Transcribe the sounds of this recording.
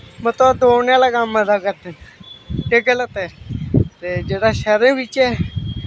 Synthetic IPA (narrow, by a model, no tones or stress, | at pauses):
mət̪ləd̪oːnjaːlaːɡaːmːəzaːkəɾd̪en | eɡələt̪ɛːt̪eːd͡ʒeːɽaːʃəɾẽːʋɪt͡ʃɛː